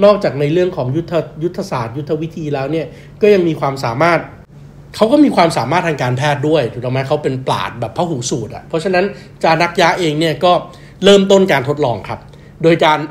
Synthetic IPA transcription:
nɔː˥˩k̚t͡ɕaː˨˩k̚na˧jɾɯ˥˩əŋkʰɔː˩˦ŋju˦˥t̪ʰːa˧ju˦˥t̪ʰːa˧saː˨˩t̪̚ju˦˥t̪ʰːa˧wi˦˥t̪ʰiː˧lɛː˦˥wni˥˩ɐ | kɔː˥˩ja˧ŋmiː˧kʰwaː˧msa̰ː˩˦maː˥˩t̪̚ | kʰa˦˥wkɔː˥˩miː˧kʰwaː˧msaː˩˦maː˥˩t̪ʰːaː˧ŋkaː˧npʰɛː˥˩t̪̚du˥˩əjt̪ʰu˨˩t̪ɔ˨˧˩ma˦˥kʰa˦˥wpe˧npla̰ː˨˩t̪̚bɛː˨˩pʰːa˦˥ɦuː˩˦suː˨˩t̪̚ʔa̰˨˩pʰɔ˦˥t͡ɕʰa˧na˦˥n | t͡ɕaː˧na˦˥k̚jaː˦˥ʔeː˧ŋni˥˩ɐkɔː˥˩ | lɤː˥˩mt̪o˥˩nkaː˧nt̪ʰo˦˥t̪̚lɔː˧ŋkʰɾa˦˥p̚ | doː˧jkaː˧n

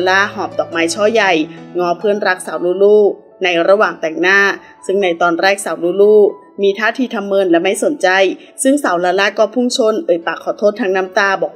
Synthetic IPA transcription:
laː˦˧˥hɔː˨˩p̚t̪ɔː˨˩k̚maː˧jt͡ɕʰɔː˧˥˩ja˧˩jŋɔː˧˥pʰɯː˥˩ənɾa˦˥k̚saː˩˦wluː˧˥luː˥˩ | na˧jɾa˧waː˨˩ŋt̪ɛː˨˩ŋnaː˥˩ | sɯ˧˩ŋna˧jt̪ɔː˧nɾɛː˥˩k̚sa˨˩˦wluː˧luː˥˩ | miː˧t̪ʰaː˥˩t̪ʰiː˧t̪ʰa˧mːɤː˧˨nlɛ˦˧˥ma˥˩jso˨˩˦nt͡ɕa˧j | sɯ˥˩ŋsa˩˦wlaː˧laː˦˥kɔː˥˩pʰu˧˥˩ŋt͡ɕʰo˧˥˨nʔɤː˨˩jpaː˨˩kʰːɔː˨˩˦t̪ʰoː˦˥˩t̪ʰːaː˧ŋnaː˦˥mt̪aː˧bɔː˨˩k̚

